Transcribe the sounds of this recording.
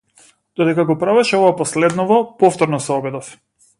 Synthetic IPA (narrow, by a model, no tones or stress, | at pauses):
d̪̥ɔd̪ɛkaɡɔpɾavɛʃɛɔvapɔslɛd̪nɔvɔpɔft̪ɔɾnɔsɛɔbɛd̪ɔf